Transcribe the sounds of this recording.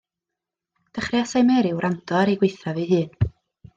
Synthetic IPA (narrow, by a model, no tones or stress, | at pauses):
d̥əχriasajmɛɾɪwɾʔantʰɔaɾeɡwejθaviːɦɨːn